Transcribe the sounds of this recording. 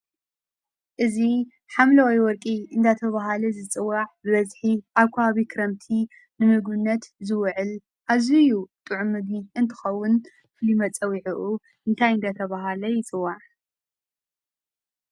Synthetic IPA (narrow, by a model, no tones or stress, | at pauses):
ʔɨzi | ħamlɐwajwɔɾkʼiʔɨnd̪at̪ʰɐβaɦalɐzɨt͡sʼɨwːaʕbɨβɐzħiʔaβkʷʰaaβikʰɨɾɐmt̪ʰi | nɨmɨɡɨnːɐt̪zɨwʕɨl | ʔaβzijut̪ʼɨʕʊmːɨɡ̪iɨnt̪ʰɨ̥xɐwʊn | fɨlimɐt͡sʼɐwiʕiʔu | ʔɨnt̪ʰajɨnd̪at̪ʰɐβaɦalɐjɪt͡sʼɨwːaʕ